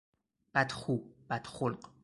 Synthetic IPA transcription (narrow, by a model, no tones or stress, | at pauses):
b̥æd̪xub̥æd̪̥χolqʼ